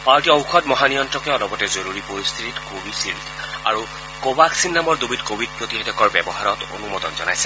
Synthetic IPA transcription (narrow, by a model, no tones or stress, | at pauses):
paɹʈiɔwkʰɔtmɔɦanijɔntɹɔkɛɔnɔbɔtɛzoɹuɹipoɹist̪ʰititkobʱisiltʰa̰ɹu | kobaksinːamɔɹd̪ubitkobʱid̚pɹot̪iɦɔdɔkɔɹbɛbɔɦaɹɔto̰numɔt̪ɔnzɔnajsɛ̥